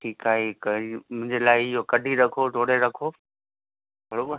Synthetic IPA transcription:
ʈʰiːkaːɦekimʊ̃ɦɪ̃ɲd͡ʑelaːɪɪɦokɐɖʱiɾɐkʰoʈoːɽeɾɐkʰo | bʱɐɽoː

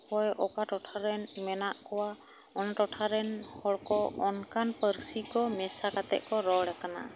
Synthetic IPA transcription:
pɔjɔkaʈɔʈʰaɾɛnmɛnaʔkɔwa | ɔnaʈɔʈʰaɾɛnhɔɽkɔɔnkanpəɾsikɔmɛsakat̪ɛ̰ʔkɔɾɔɽɛkana̰

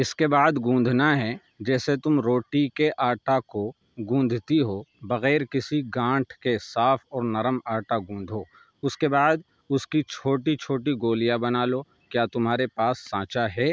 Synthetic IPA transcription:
ɪskebaːd̪ɡũːnd̪ʱnaɦɛ | d͡ʒɛːset̪ʊmɾoːʈikeʔaːʈako | ɡũːnd̪ʱt̪iɦobɐɣɛːɾkɪsiɡãːʈʰkesaːfɔːɾnɐɾəmaːʈaɡũːnd̪ʱoː | ʊskebaːd̪ | ʊskit͡ʃʰoːʈit͡ʃʰoːʈ̬iɡoːlijabɐnaːlo | kjaːt̪ʊmɦaːɾepaːsːãːt͡ʃaɦɛː

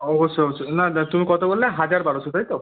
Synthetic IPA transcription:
ɔbɔseɔt͡ʃʰonat̪umikɔt̪ɔbollaɦad͡ʒaɾbaɽot͡ʃʰɔt̪ajt̪o

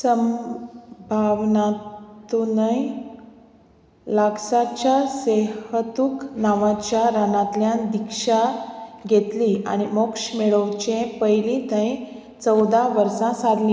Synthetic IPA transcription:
səm | bʱaʋnatt̪unəj | laksat͡ɕjasehət̪uknaʋãt͡ɕjaɾanãt̪ljãd̪ikʂaɡʱet̪lia̰ɽ̃imokʂmeɭəwt͡ɕẽpəjlĩt̪ə̃j | t͡səwd̪aʋəɾsãsad̪lĩ

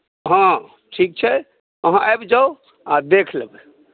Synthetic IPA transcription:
ɦã | ʈʰik̚t͡ʃʰɛ | əɦãʔajbd͡ʒao | ad̪ekʰleb

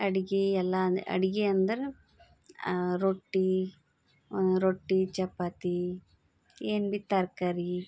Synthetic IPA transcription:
ɐɽiɡiɛlːɐdɐ̰ɽiɡiɐnd̪ɐɾe | ɾoʈːi | ond̪uɾoʈːit͡ʃɛpːat̪i | eːnbit̪ːɐɾkaɾi

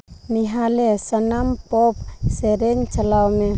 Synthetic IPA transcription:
miɦalesanampop̚seɾeɲt͡ʃalawme

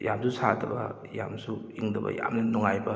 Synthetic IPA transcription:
jamsʰusʰadɐbɐ | jamsuiŋdɐbɐ̰ja̰mnɐnuŋajbɐ

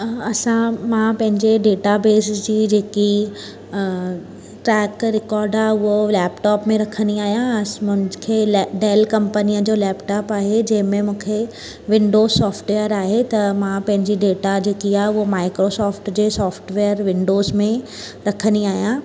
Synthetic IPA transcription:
ɐsãmãpɐ̃ɦɪ̃ɲd͡ʑeɖeːʈabeːsɪsd͡ʑiːd͡ʑeːki | ʈɾɛːkɾɪkɔːɾɖaʊɦolɛːpʈɔːpmẽɾɐkʰənd̪iaːɦijãmʊ̃nkʰeɖeːlkɐ̃mpəniəd͡ʑoːlɛːpʈɔːpaːɦed͡ʑɐ̃ɦɪ̃mẽmũːkʰe | ʋɪ̃ɳɖoːsɔːfʈʋejəɾaːɦet̪ɐmãpɐ̃ɦɪ̃ɲd͡ʑiɖeːʈad͡ʑeːkiaːɦeʊɦomaːɪkɾosɔːfʈd͡ʑeːsɔːfʈʋeːəɾʋɪ̃ɳɖoːzmẽ | ɾɐkʰəniaːɦijã

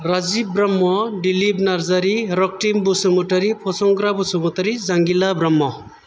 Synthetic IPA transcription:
rad͡zibɾʌmːɔɖilibnaɾd͡zaɾiɾʌk̚ʈimbusumuʈʌɾipʰɔsɔŋɡɾabusumutʌɾid͡zaŋɡilabɾʌmːɔ

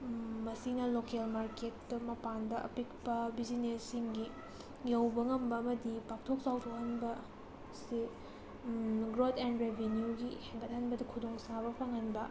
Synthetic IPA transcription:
mɐsinɐlokelmaɾketːɐmɐpandɐʔɐ̰pik̚pɐbizinesiŋɡi | jɐwbɐŋɐmbɐːmɐdipak̚tʰok̚zawtʰohɐnbɐ | si | ɡɾotʰendɾebʱenjuɡihajbɐt̚hɐnbɐdɐkʰudoŋsabɐpʰaŋɐnbɐ

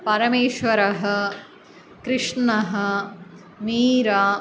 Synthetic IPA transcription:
pɐɾɐmeːʃʋɐɾɐɦɐ̆ | kɾɨʂɳɐɦɐ̆ | niːɾɐ

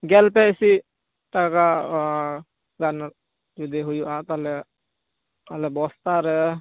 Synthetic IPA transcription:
ɡɛlpɛisi | ʈaka | ɡan | d͡ʒud̪iɦujuʔat̪alɛ | alɛbɔst̪aɾɛ

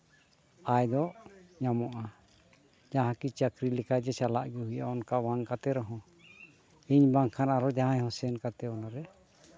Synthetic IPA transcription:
ajd̪ɔʔɲamɔʔa | d͡ʒaɦãkit͡ʃakɾilɛkad͡ʒɛt͡ʃalaʔɡuɦujaɔnkawaŋkat̪ɛɾɔɦɔ̃ | iɲbaŋkʰanaɾɔd͡ʒaɦãɲhɔ̃sɛnkat̪ɛɔnaɾɛ

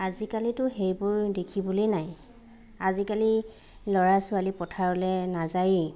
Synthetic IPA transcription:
azikalitʊɦejbʊɹdekʰibulijnaj | azikali | lɔɹasʊalipɔtʰaɹɔlɛnazaj

